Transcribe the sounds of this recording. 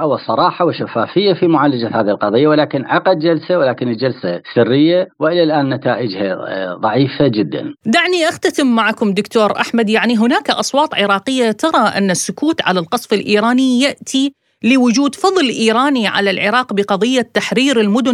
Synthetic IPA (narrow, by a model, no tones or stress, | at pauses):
wɪsˤɑɾˤɑːħɑwɪʃafːaːfɪjːafimʊʕaːlad͡ʒahaːðihɪlqɑðˤɨjːawɪlaːkɪnʕɑqad̪̚d͡ʒalsawɪlaːkɪnɪld͡ʒalsasɪrːɪjːawɪʔɪlalʔaːnːat̪aːʔɪd͡ʒha̰ðˤɑʕiːfad͡ʒɪd̪ːa̰nd̪aʕniʔaxt̪at̪ɪmːaʕakʊmd̪ʊkt̪oːɾʔa̰ħmad̪jaʕniɦʊnaːkaʔɑsˤwɑːt̪ˤʕɪɾɑːqɪjːat̪ɑɾˤɑʔɪ̰nːasːʊkuːt̪ʕalalqɑsˤfɪlʔiːɾaːnijaʔt̪ʰi | lɪwʊd͡ʒuːd̪fɑðˤlɪʔiːɾˤaːniʕa̰lalʕɪ̰ɾˤɑːqbɪqɑðˤɨjːat̪ːaħɾiːɾɪlmʊd̪ʊ